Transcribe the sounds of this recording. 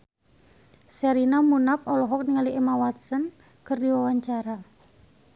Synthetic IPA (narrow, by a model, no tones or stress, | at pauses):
sɛɾinamunapɔlɔɦɔk̚niŋaliɛmawat̪̚sən | kərdiwawaɲt͡ʃaɾa